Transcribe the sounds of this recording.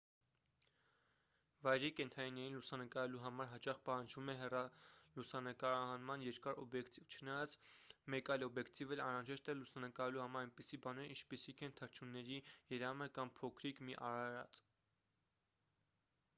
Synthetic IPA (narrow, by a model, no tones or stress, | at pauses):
vɑjɾikɛnt̪ʰɑninɛɾinlusɑnəkɑɾɛluɦɑmɑɾɦɑt͡ʃɑχpɑhɑnd͡ʒvumɛɦɛrɑlusɑnəkɑɾɑɦɑnmɑnjɛɾkɑɾɔbjɛkt̪ivt͡ʃʰənɑjɑt͡smɛkɑjlɔbjɛkt̪ivɛlɑnrɑʒɛʃt̪ɛlusɑnəkɑɾɛluhɑmɑɾɑjnpisibɑnɛɾḭnt͡ʃʰpisikʰɛnt̪ʰəɾt͡ʃʰunːɛɾijɛɾɑməkɑmpʰɔkʰɾikmiʔɑɾɑɾɑ̰t͡s